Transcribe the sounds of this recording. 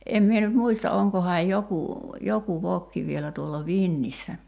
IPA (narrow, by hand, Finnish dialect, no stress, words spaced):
em mie nyt muistɑ oŋkohɑːj joku joku ʋokːi ʋielæ tuolːɑ ʋinːisːæ